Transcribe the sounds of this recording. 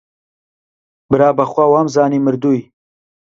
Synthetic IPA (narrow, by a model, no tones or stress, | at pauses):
bɨɾɑːbɐxwawamzɑːnimɨɾd̪uj